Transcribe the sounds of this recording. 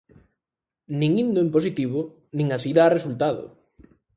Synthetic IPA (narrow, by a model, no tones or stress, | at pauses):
nĩŋind̪ʊempos̬it̪iβʊ | nĩŋasiðaːresult̪aðʊ̰